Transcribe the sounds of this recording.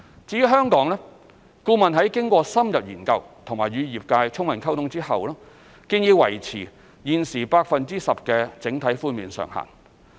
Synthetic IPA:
t͡siː˧jy˥ɦœː˥ŋkɔː˨˥ŋlɛː˥ | kuː˧mɐ˨nɦɐ˨˥jkɪ˥ŋkʷɔː˧sɐ˥mjɐ˨p̚jiː˨˩nkɐ˧wt̪ʰʊ˨˩ŋmaː˨˩jɥyː˨˧jiː˨˩p̚kaː˧jt͡sʰʊ˥ŋmɐ˨˩nkʰɐ˥wt̪ʰʊ˧ŋt͡siː˥hɐ˨wlɔː˥ | ki˧ŋjiː˨˧wɐ̰˨˩jt͡sʰḭː˨˩ | jiː˨nsiː˨˩paː˧k̚fɐ˨nt͡siː˥sɐ˨p̚kɛː˧t͡sɪ˨˥ŋt̪ʰɐ˨˥jfuː˥miː˨˧nsœ̰ː˨˩ŋha̰ː˨˩ŋ

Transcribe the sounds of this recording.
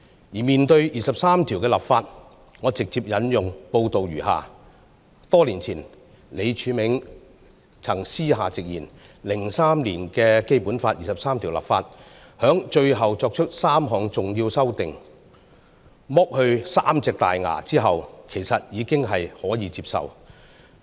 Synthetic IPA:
jiː˨˩miː˨˩nt̪ɵ˧ɥjiː˨˩sɐ˨p̚saː˥mt̪ʰiː˨˩wkɛː˧lɐ˨˩p̚faː˧t̚ | ŋɔː˨˧t͡sɪ˨k̚t͡siː˧p̚jɐ˨˥njʊ˨ŋpo˧wt̪o˨wjyː˨˩ha̰ː˨ | t̪ɔː˥liː˨˩nt͡sʰiː˨˩n | le˨˧jt͡ʃʰyː˨˥mɪ˨˥ŋ | t͡sʰɐ˨˩ŋsiː˥ɦaː˨t͡sɪ˨k̚jiː˨˩n | lɪ˨˩ŋsaː˥mliː˨˩nkɛː˧ke˥jpuː˨˥nfaː˧t̚jiː˨˩sɐ˨psaː˥mt̪ʰi˨˩lɐ̰˨˩p̚faː˧t̚ | hœː˨˥ŋt͡ʃɵ˧ɥɦɐ˨wt͡sɔː˧k̚t͡ʃʰɵ˥t̚saː˥mɦɔː˨ŋt͡sʊ˨ŋjiː˧wsɐ˥wt̪ɪ˨ŋ | mɔ˥k̚hɵ˧ɥsaː˥mt͡sɪ˨˧k̚t̪a̰ː˨jŋa̰ː˨˩t͡siː˥ɦɐ˨wkʰe˨˩jsɐ˨t̚jiː˨˧kɪ˥ŋɦɐ˨jhɔː˨˥jiː˨˧t͡siː˧p̚sɐ̰˨w

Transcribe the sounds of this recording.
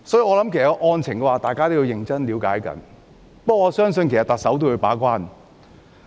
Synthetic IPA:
sɔː˨˥ji˧ŋɔː˨˧lɐ˨˥mkʰsɐ˨kɔ˧ʔɔː˧nt͡sʰɪ˨˩ŋkɛ˧waː˨˩t̪aː˨jkaː˥t̪o˥wji˧wjɪ˨ŋt͡sɐ˥nliː˨˧wkaː˨˥jkɐ̰˨˥n | pɐ˥kɔ˨ŋɔː˨˧sœː˥ŋsɵ˧nkʰsɐ˨˩t̪ɐ˨k̚sɐ˨˥wt̪o˥wkɵ˨˧ɥpaː˨˥kʷaː˥n

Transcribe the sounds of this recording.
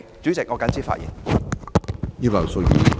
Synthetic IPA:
t͡syː˨˥t͡sɪ˨k̚ŋɔː˨˧kɐ˨˥nt͡siː˥fa̰ː˧ʔjḭː˨˩n | ji˥bɐ˨˩so˧wjḭː˨˧

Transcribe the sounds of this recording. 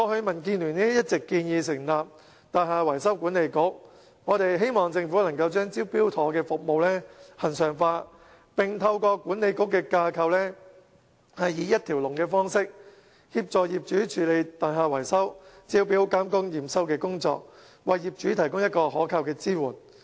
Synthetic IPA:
ŋɔ˨˧hɵ˧mɐ˨˩nk̬iː˧nlyː˨˩nniː˥jɐ˥t̚t͡sɪ˨kːiː˧njiː˨˧sɪ˨˩ŋlaː˨p̚ | t̪aː˨nhaː˨˧wɐ˨˩jsɐ˥wkuː˨˥nle˨˧jkʊ˥k̚ | ŋɔː˨˧t̪e˨jɦe˥jmɔː˨˩ŋt͡sɪ˧ŋfuː˨˥nɐ˨˩ŋkɐ˧wt͡ʃœː˥ŋt͡siː˥wpiː˥wt̪ʰɔː˨˥kɛː˧fʊ˨k̚mo˨wlɛː˥hɐ˨˩nsœː˨˩ŋfaː˧ | pɪ˨ŋt̪ʰɐ˧wkɔː˧kʷuː˨˥ne˨˧jkʊ˥kːɛː˧kaː˧kʰɐ˧wlɛː˥ | hɐ˨jːiː˨˧jɐ˥t̚t̪ʰiː˨˩wlʊ˨˩ŋkɛː˧fɔː˥ŋsɪ˥k̚ | hiː˧p̚t͡sɔː˨jiː˨p̚t͡ʃyː˨˥t͡ʃʰyː˨˥le˨˧jt̪aː˨˩nɦaː˨˩wɐ˨˩jsɐ˥wt͡siː˥wpiː˨˥wkaː˥mkʊ˥ŋjiː˨˩msɐ˥wkɛː˧kʊ˥ŋt͡sɔ̰ː˧k̚ | wɐ˨jjiː˨p̚t͡ʃyː˨˥t̪ʰɐ˨˩jkʊ˥ŋjɐ˥t̚kɔː˧hɔː˨˥kʰaː˧wkɛː˧t͡siː˥wuː˨˩n

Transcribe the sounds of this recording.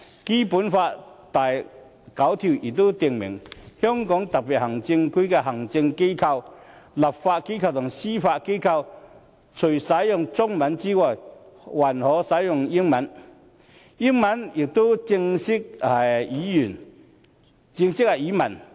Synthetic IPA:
ki˥puː˨˥nfaː˧tt̪a˨˩j | kɐ˨˥wt̪ʰi˨˩wjɪ˨˩k̚t̪o˥wt̪i˨˩ŋmɪ̰˨˩ŋhœ˥ŋkɔː˨˥ŋt̪ɐ˨˩k̚pi˨t̚hɐ˨˩ŋt͡sɪ˧ŋkʰu˥kɛ˧ɦɐ˨˩ŋt͡sɪ˧ŋke˥jkʰɐ˧wlɐ˨˩p̚faː˧t̚ke˥jkʰɐ˧wt̪ʰʊ˨˩ŋsiː˥faː˧t̚ke˥jkʰɐ˧w | t͡sʰɵ˨˩jsɐ˨˥jjʊ˨˩ŋt͡sʊ˥ŋmɐ˨˥nt͡siː˥wɔː˨˩j | wɐ˨˩nhɔː˨˥sɐ˨˥jjʊ˨ŋji˥ŋmɐ˨˥n | ji˥ŋmɐ˨˥njɪ˨˩k̚t̪o˥wt͡sɪ˧ŋsɪ˥k̚a˨˩iː˨˥jyː˨˩n | t͡sɪ˧ŋsɪ˥kɐ˨˩jiː˨˥mɐ˨˩n

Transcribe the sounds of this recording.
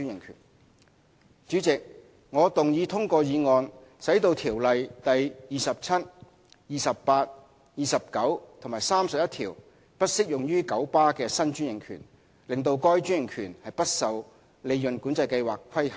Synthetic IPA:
y˥nɪ˨˩ŋkʰy̰ː˨˩n | t͡ʃyː˨˥t͡sɪ˨k̚ | ŋɔː˨˧t̪ʊ˨ŋjiː˨˧t̪ʰʊ˥ŋkɔː˧jiː˨˧ŋɔː˨˧nsɐ˨˥jt̪o˧wt̪ʰiː˨˩wlɐ˨jt̪ɐ˨jjiː˨˩sɐ˨p̚t͡sʰɐ˥t̚ | jiː˨sɐ˨ppaː˧t̚ | jiː˨sɐ˨p̚kɐ˨˥wt̪ʰʊ˨˩maː˨˩jsaː˥msɐ˨p̚jɐ˥t̪ʰiː˨˩w | pɐ˥t̚sɪ˥k̚jʊ˨ŋjyː˥kɐ˨˥wpaː˥kɛː˧sɐ˥nt͡ʃyː˥njɪ˨˩ŋkʰy̰˨˩n | lɪ˨ŋt̪o˧wkɔː˥jt͡ʃyː˥njɪ˨˩ŋkʰyː˨˩nhɐ˨jpɐ˥t̚sɐ˨˧w | le˨˧jjɵ˨nkuː˨˥nt͡sɐ˧jkɐ˧jwa̰ː˨kʰːɐ˥jhɐ˨

